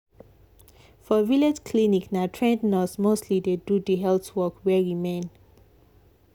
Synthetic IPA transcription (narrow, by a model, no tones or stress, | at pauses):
fɔviled͡ʒkʰliniknatʰɹɛ̃ndnɔsmostʰlidedudiɦɛltwɔkwɛɹimẽn